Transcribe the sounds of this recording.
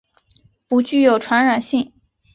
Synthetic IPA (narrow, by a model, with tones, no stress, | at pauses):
pu˧˥t͡ɕy˥˩jo˨˩ʊʈ͡ʂʰwa˧˥nɻa˨˩nɕi˥˩ŋ